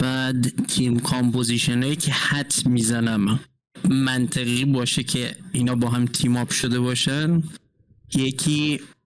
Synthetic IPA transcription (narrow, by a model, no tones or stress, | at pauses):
b̥æːd̪k̪ʰimkʰompʰoziʃenɒːjicʰehæt̪ʰmiːzænæm | mænt̪ʰeɣiːbɒːʃecʰeiːnɒːbɒːɦæmt̪ʰimɒːbʃod̪e̞βɒːʃæn | jecʰiː